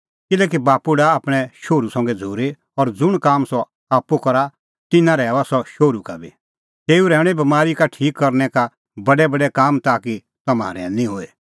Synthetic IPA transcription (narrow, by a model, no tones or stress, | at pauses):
kɪlɛːk̬ibaːpuɽaːpɽ̃ɛʃoːɾusɐ̃ŋɡɛd͡zʱoːɾe | ɔɾd͡zʊɽ̃kaːmsɔ | aːpːukɔɾa | t̪ɪnãɾɛːasɔʃoːɾukabi | t̪eːuɾɛːɽ̃ɛbɐmaːɾikaʈʰiːkːɐɾnɛka | bɐɖɛbɐɖɛkaːmt̪aːki | t̪ɐma̰ːɾɛnĩɦoːe